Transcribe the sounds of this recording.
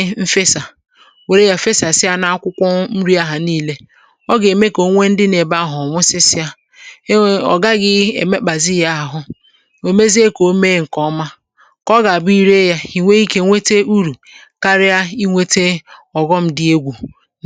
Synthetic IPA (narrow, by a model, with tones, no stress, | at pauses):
m̩˦fe˦sa˨ | we˨ɾe˦ja˨fe˦sa˨sɪ˦a˦na˦a˦kʷʊ˦kʷɔ˦m̩˦ɾi˦a˦ɦa˨niː˦le˦ | ɔ˦ɡe˨me˦ko˨˦ŋʷe˦n̩˦dɪ˦ne˨ba˦˨ɦɔ˨ŋʷʊ˦sɪ˦sɪ˦a˦ | ɔ̰˨ɡa˦ɡɪ˦e˨me˦k͡pa˨zi˦ja˦a˨ɦʊ˦ | o˨me˦zi˦e˦ko˨˦me˦ŋ̩˨kɔ˦ma˦ | kɔ˦ɡa˨a˨bʊ˦i˦ɾe˦ja˦i˨ŋʷe˦i˦ke˦ŋʷe˦te˦u˦ɾu˨ | ka˦ɾɪ˦a˦i˦ŋʷe˦te˦ɔ˨ɡɔ˦m̩˨dɪ˦e˦ɡʷu˨